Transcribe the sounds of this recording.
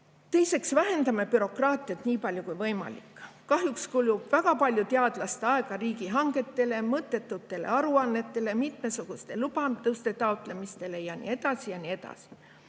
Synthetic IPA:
t̪e̞jse̞ksvæɦe̞nd̪ɑme̞pyɾo̞krɑːt̪ˑiɑt̪niːpɑlʲjukujvɤjmɑ̰lḭkːˑkːɑɦjukskuljub̥væɡ̥ɑpɑlʲjut̪eɑd̪̥lɑst̪eɑe̞ɡ̥ɑɾiːɡiɦɑŋɡe̞t̪ːe̞le̞mɤt̪ːˑe̞t̪ːˑut̪ˑːe̞le̞̰ɑɾuɑnːe̞t̪ˑːe̞le̞mit̪me̞suɡ̥ust̪e̞lub̥ɑd̪̥ust̪e̞t̪ɑowt̪ˑle̞mist̪e̞le̞jɑnḭe̞d̪̥ɑsijɑnie̞d̪̥ɑ̰si̥

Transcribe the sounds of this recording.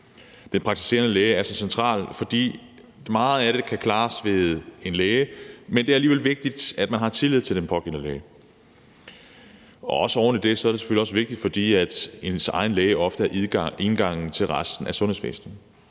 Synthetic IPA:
d̥enpʰʁɑɡ̥̚t͡sʰi̥se̝̰ːɐnəleːɪəæɐsɒ̽sent͡sʰʁɑ̰̈ːlfɒ̽d̥ḭː | mɑ̈ːð̩ˠæɾ̥e̝kʰækʰlɑ̈ːsʋe̝ðˠe̝nleːəmend̥e̝æɐæliːʋelʋe̝ɡ̥̚d̥id̥æd̥̚mænɦɑ̈t͡sʰe̝lið̞̰ˠt͡sʰe̝ld̥enpʰɒ̽ɡ̥ḛːnəleːə | ɒ̽ɒ̽səɒ̰ʊɐnəd̥e̝sɒ̽æɐd̥ese̥fø̰liɒ̽səʋe̝ɡ̥̚d̥id̥fɒ̽d̥ḭːæd̥e̝nsɑ̈ɪnleːɪəʔɒ̽fd̥əæɐʔiðˠɡ̥e̝nɡ̥ɑ̈ŋ̰n̩t͡sʰe̝lʁasd̥n̩æsɔ̽nhe̝fʋḛːsn̩

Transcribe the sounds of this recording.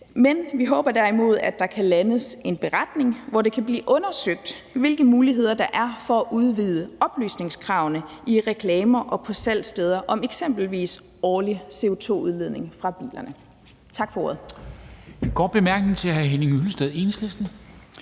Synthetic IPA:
menʋiɦɔ̽ːb̥ɐd̥æɐimo̝ð̞ˠæd̥ɑ̈kʰælænəse̝nb̥e̝ʁɑd̥ne̝ŋʋɒde̝kʰæb̥lḭːʔɔ̽nɐsøɡ̥̚d̥ | ʋe̝lɡ̥əmuːliɦe̝ð̞̰ˠɐd̥ɑ̈ʔæɐfɒ̽æʔuð̞ˠʋiːð̞ˠəɒ̽b̥ly̰ːsne̝ŋskʰʁɑ̈ʊnəiʁɛkʰlɛːmɐʔɒ̽pʰɒ̽sæl̰sd̥eːð̞ˠɐʔɒ̽meɡ̥sem̰b̥l̩ʋḭːs | ɒːlise̝o̝t͡sʰo̝̰ːuð̞ˠle̝ðˠne̝ŋfʁɑ̈b̥ḭːlɐnə | t͡sʰɑ̈ɡ̥fɒ̽o̝ːɐð̩ˠ | ɡ̥ɒ̰̥b̥e̝mæɐɡ̥nŋ̩t͡sʰe̝æɦæɦeneŋyləsd̥eð̞̩ˠe̝nəslesd̥n̩

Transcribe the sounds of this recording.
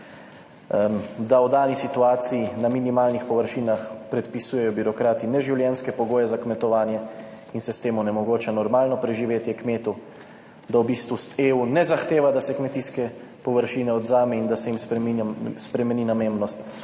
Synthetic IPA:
d̪awd̪aːnisit̪uaːt̪sijinaminimaːlnixpɔʋəɾʃiːnaxpɾɛt̪pisujɛjɔbiɾɔkɾaːt̪inɛʒiwljɛnskɛpɔɡoːjɛzakmɛt̪ɔʋaːnjɛ | insɛst̪eːmɔnɛmɔɡoːt͡ʃɛnɔɾmaːlnɔpɾɛʒiʋeːt̪jɛkmeːt̪u | d̪awbist̪ʋuseːunɛzaxt̪eːʋad̪asɛkmɛt̪iskɛ | pɔʋəɾʃiːnɛɔd̪zaːmɛind̪asɛjimspɾɛmispɾɛmɛniːnamembnɔst̪

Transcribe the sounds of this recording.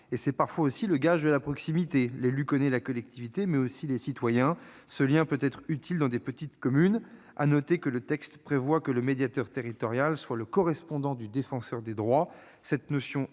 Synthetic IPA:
esɛpaʁfwaosiləɡaʒd̪əlapχɔksimit̪elelykɔnɛlakɔlɛk̚t̪ʰivit̪emɛosilesit̪wajɛ̃ | səljɛ̃pøt̪ɛt̪χyt̪ild̪ɑ̃d̪epət̪it̪kɔmyn | a̰nɔt̪ekələt̪ɛkst̪pχevwakələmed̪jat̪œʁt̪eʁit̪ɔʁjalswaləkɔʁɛspɔ̃d̪ɑ̃d̪yd̪efɑ̃sœʁd̪ed̪ʁwa | sɛt̪nɔsjɔ̃

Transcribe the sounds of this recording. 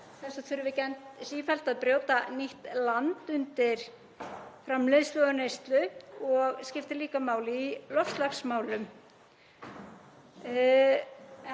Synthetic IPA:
θɛsaθʰʏɾʏvɪcɛnt̪siːfɛl̥t̪aðpɾjowt̪aniht̪lant̪ʏnt̪ɪɾ̥ | fɾamlɪðslœðʏnejst̪lʏɔɣscɪft̪ɪliːkamaːwlɪilɔfst̪laxsmaːwlʏm

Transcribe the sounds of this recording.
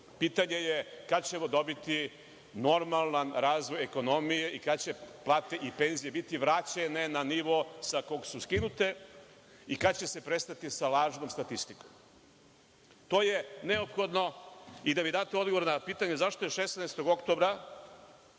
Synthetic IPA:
pit̪aɲe̞jekad̪t͡ɕe̞mo̞d̪o̞bit̪i | no̞ɾmalˠnanɾaːzʋo̞jeko̞no̞mije̞ʔikad̪t͡ɕe̞plˠaːt̪eʔipe̞nzijebit̪iʋɾat͡ɕene̞naniʋo̞sako̞ɡsuskinut̪e̞ | ikad̪t͡ɕe̞se̞pɾe̞st̪at̪isalˠaːʒnoːmst̪at̪ist̪ikom | t̪o̞ːjeneopxo̞d̪no̞id̪amid̪aːt̪eo̞d̪ɡoʋo̞ɾnapiːt̪aɲezaʃt̪o̞jeʃesneest̪o̞ɡo̞kt̪o̞bɾa

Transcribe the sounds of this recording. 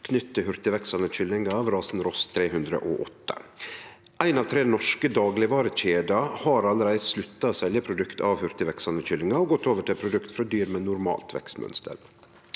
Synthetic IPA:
kʰnʏt̪ːəhʉɾt̪əʋɛksɑnəc͡çʏlːɪŋɑɑʋɾɑːsn̩ɾɔst̪ʰɾeːhʉnd̪ɾə̰ʔɔʔɔt̪ːə̥̰ | ʔæɪnɑːʋt̪ʰɾeːnɔʂkəd̪ɑːɡlɪʋɑːɾəc͡çeːd̪ɑhɑɾɑlːəɾæɪslʉt̪ːɑosɛljəpʰɾʊd̪ʉkt̪ɑʋhʉɾt̪əʋɛksɑnəc͡çʏlːɪŋɑɾoːɡɔt̪ːoːʋəʈʰɪlpʰɾʊd̪ʉkt̪fɾɑd̪yːɾmɛnːʊɾmɑ̰ːlt̪ʰʋɛ̰kst̪mœ̰nst̪ə̰ɾ

